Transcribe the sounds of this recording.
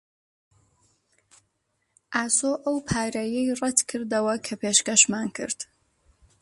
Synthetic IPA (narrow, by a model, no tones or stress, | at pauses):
ʔaːsoːʔɐwpʰaːɾɐjɛjrɛt̪kʰɨɾd̪ɐwɐkʰɐpʰeːʃkɐʃmaːnkʰɨ̰ɾd̪̥